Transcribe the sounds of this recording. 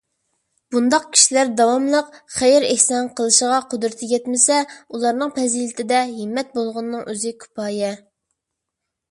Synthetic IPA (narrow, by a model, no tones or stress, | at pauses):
b̥und̪ɑq̚kʲʰi̥ʃilæɾd̪ɑwɑmlˠəqχejɪɾæhsɑnqʰəlˠɨʃəʁɑqʰod̪ɾɪt̪ʰɪɡʲɛt̪mɪsɛulˠɑɾnɨŋpʰɛzilɪt̪ʰɪd̪ɛɦɪmːɛt̪̚bolˠʁʊnːɨŋʔøzɪkʲʰy̥pʰɑːjɛ